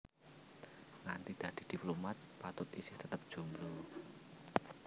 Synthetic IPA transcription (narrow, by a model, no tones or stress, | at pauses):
ŋant̪id̪̥ä̤d̪̥i̤d̪̥i̤plomat̪̚pat̪ʊt̪isɪht̪ət̪əp̚d̥ʒ̥ṳmɾo